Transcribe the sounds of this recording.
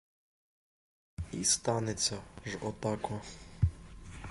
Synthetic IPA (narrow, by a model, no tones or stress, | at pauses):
ist̪anʲɛt̪saʐɔt̪akwa